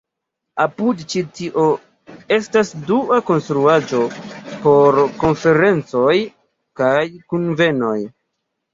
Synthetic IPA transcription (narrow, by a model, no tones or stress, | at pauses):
apudt͡ʃitiʔo̞ | e̞stasduako̞nstɾuad͡ʒo̞po̞ɾko̞nfe̞ɾe̞nt͡so̞j | kajkunve̞no̞j